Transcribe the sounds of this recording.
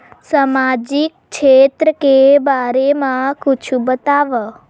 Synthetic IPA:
samad͡ʒik̚ | t͡ʃʰet̪ɾəkebaɾemãkut͡ʃʰũbət̪aʋə

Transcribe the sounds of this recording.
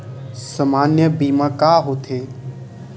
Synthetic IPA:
səmaːnjəbiːmãkaɦot̪ʰe

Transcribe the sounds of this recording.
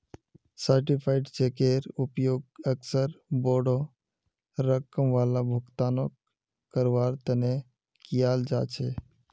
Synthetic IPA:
səɾʈipʰaɪʈt͡ʃekeɾʊpjoːɡəksəɾboːɽo | ɾəkəmʋaːlabʱʊɡt̪aːnokː | əɾʋaːɾt̪əne | kijaːld͡ʒa̰ːt͡ʃʰeː

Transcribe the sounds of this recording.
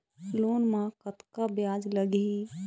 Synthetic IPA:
lonmãkət̪kabjad͡ʒləɡi

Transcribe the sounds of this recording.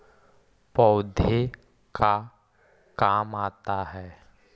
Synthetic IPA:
pɔʊd̪ʱe | ka | kaːmaːt̪aɦɛː

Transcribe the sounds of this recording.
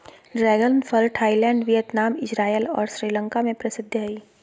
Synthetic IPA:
ɖɾɛːɡəlnfʰəlʈʰaːɪilɛ̃ːɳɖʋijət̪naːmɪd͡ʒɾaːjəlɔ̰ːɾsɾiːlə̃ŋkamẽpɾɐsɪd̪ʱːiː

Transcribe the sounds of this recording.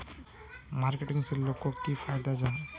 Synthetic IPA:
maɾkeʈiŋseɾlokːokifʰajd̪ad͡ʒa

